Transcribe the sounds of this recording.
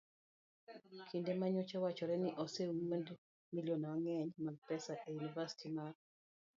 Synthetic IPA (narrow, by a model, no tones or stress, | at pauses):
kʰindemaɲɔt͡ʃawat͡ʃɔɾɛniʔɔsewond | milionwaŋɛɲmaɡ̚pɛsaʔejunivasi̥tʰimar